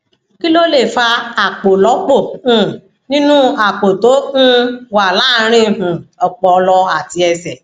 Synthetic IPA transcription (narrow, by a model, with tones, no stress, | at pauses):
ki˦lo˦le˦˨fa˧a˨k͡po˨lɔ˨˦k͡po˦˨ũ˨ | nĩ˦nũ˦a˨k͡po˨to˨˦ñ̩˦wa˨la˨˦ɾ̃ĩ˦˨ũ˨ɔ˨k͡pɔ˨˧lɔ˧a˨ti˧ɛ˧sɛ˨